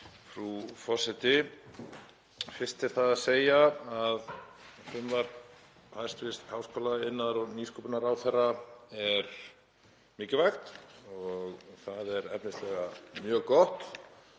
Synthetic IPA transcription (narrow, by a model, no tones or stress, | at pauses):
fɾufɔsɪt̪ɪ | fɪr̥st̪ɪ̥θaðaðseːjaaðfʏmvaɾ | hajst̪vɪst̪hawskoːlaɪnːaɾɔɣniːskupʏnaɾawθɛrːaɛɾ | mɪːcɪvajxt̪ɔɣθaðɛɾɛpnɪst̪lɛɣamjœːɣkɔht̪